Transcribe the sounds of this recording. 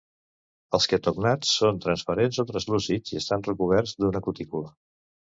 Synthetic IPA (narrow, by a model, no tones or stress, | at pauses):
əlˠskət̪uɡnat͡sːont̪ɾənspəɾenzɔt̪ɾəzluziziəst̪anrəkuβ̞ɛɾzd̪unəkut̪ikulə